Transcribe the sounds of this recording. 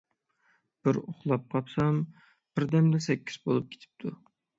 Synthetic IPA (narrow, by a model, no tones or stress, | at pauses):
b̥ɪɾoχlˠɑp̚qʰɑpsɑm | b̥ɪɾd̪ɛmd̪ɛsɛkʲʰːi̥z̥bolˠup̚kʲʰe̥t̪ʰɪ̥p̚t̪ʰu